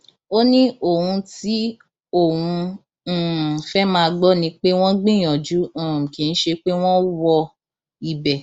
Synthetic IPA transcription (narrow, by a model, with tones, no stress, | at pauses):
o˦nĩ˦o˦˨hũ˧ti˦ | o˦˨hũ˧ | n̩˦˨fɛ˦mãː˦˧a˧ɡ͡bɔ˦nĩ˧˦k͡pe˦w̃ɔ̃˦ɡ͡bĩ˦˨j̃ɔ̃˨d͡ʒu˨˦ɔ̃˨ki˨n̩˦ʃe˧k͡pe˦w̃ɔ̃˦wɔ˧ | i˨bɛ˨